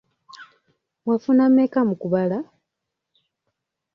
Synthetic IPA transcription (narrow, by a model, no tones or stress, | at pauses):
mwafunamekamukuβala